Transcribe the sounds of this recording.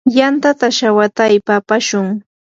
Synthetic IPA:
jant̪at̪aʃawat̪ajpapaʃʊŋ

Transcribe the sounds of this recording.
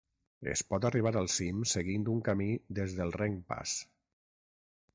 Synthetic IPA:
ḛspɔt̪̬ariβ̞aɾalˠsimseɣind̪uŋkamid̪ezðəlˠreŋpa̰s

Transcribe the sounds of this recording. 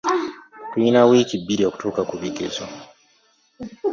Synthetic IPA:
kwinawikibiɾioku̥tuːkakuβiɡezo

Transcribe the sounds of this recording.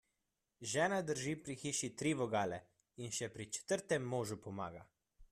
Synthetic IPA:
ʒɛːnad̪əɾʒiːpɾixiːʃit̪ɾiʋɔɡaːlɛ | inʃɛpɾit͡ʃɛ̥t̪əɾt̪ɛmːoːʒupɔma̰ːɡa

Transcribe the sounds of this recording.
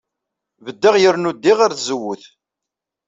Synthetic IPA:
vəd̪ːəʁjəɾnud̪ːiʁaɾθzəwːʊθ

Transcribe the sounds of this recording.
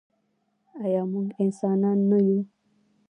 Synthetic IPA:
ajɑmuŋɡɪnsɑnɑnːaju

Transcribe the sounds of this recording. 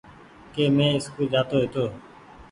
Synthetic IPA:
keːmẽːɪskuːd͡ʒaːt̪oːɦeːt̪oː

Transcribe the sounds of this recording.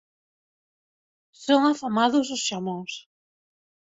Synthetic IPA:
sõŋafamaðʊs̬ʊsʃamõŋs

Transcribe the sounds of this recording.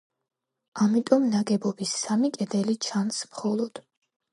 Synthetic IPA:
amit̪ʼɔmnaɡɛbɔbisːamikʼɛd̪ɛlit͡ʃʰansmχɔlˠɔd̪̥

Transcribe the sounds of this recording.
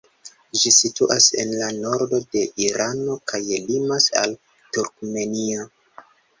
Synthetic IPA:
d͡ʒisituʔasḛnlano̞ɾdo̞de̞ʔiɾano̞kajelimasa̰l | tuɾk̚me̞nio

